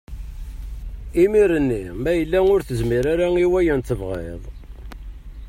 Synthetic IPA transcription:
imiɾənːimæjəlːæʊɾθəzmiɾaɾaŋiwæjənt̪ːəvʁḛðˤ

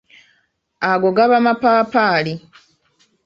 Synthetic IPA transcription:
aɡoɡaβamapaːpaːli

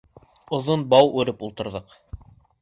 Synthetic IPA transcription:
ŏðonbɑwʉɾɘpulˠt̪ɤ̆ɾðɤq

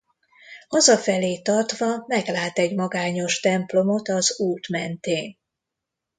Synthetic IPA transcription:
ɒzɒfɛleːt̪ɒrt̪ʋɒmɛɡlaːt̪ɛɟmɒɡaːɲo̞ʃt̪ɛmplo̞mot̪ɒzuːt̪mɛnt̪eːn

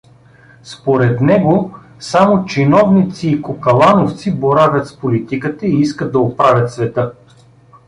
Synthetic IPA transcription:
spoɾɛt̪nɛɡo | samot͡ʃinɔvnit̪siːkokɐlˠanoft̪siboɾavʲət̪spolit̪ikət̪əiiskət̪̚d̪ɐopɾavʲət̪svɛt̪ɤ

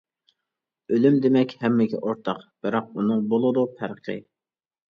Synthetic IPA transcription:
ølymd̪emɛkʲhɛmːɪɡʲɛ̰ʔoɾt̪ʰɑqb̥ɪɾɑq̚unɨŋbolˠɨd̪upʰæɾqʰɨ̰

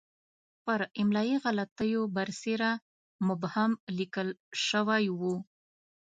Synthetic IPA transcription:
pəɾɪmlɑjiɣalat̪əjobaɾseɾa | mʊbhamlikəlʃəwajwu

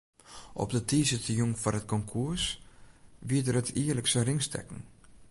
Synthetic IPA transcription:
ʔɔ̰p̚dətiːsətʰəjuŋfanət̚kɔŋkʰus | ʋiədərɦətʰiələksərɪŋstʰɛ̰kn̩

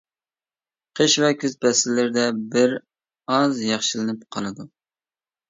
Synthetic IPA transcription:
qʰəʃvɛkʲʰyzbɛsɪlːɪɾɪd̪ɛbɪɾ | ɑzjɑχʃilɨnɪp̚qʰɑlˠɨd̪u

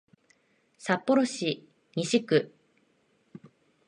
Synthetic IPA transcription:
sapːo̞ɾo̞ɕi | ɲʲiɕikɯ̟

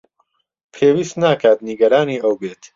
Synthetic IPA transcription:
pʰeːwiːst̪naːkaːt̪niɡɐɾaːniːʔɐwbeːt̪

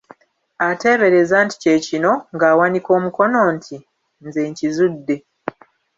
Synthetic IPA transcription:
ate̞ːβe̞ɾe̞zaːnti̥ce̞ːcino̞ŋɡaːwaniko̞ːmuko̞no̞ːntʰi | nze̞ːɲcizudːe̞

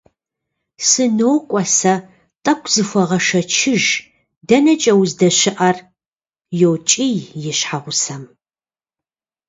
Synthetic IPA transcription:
sɨnoːkʷʼɔsɐ | tʼɐkʷʰʼz̥ɨxʷɔʁɐʃɐt͡ʃʰɪʒ | dɐnɐt͡ʃʼɐwzdɐɕɪʔɐr | jowt͡ʃʼijjɪɕħaʁʷʊsɐm

